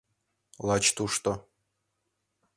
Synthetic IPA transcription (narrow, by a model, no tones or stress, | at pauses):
lˠɑt͡ɕt̪uʂt̪ŏ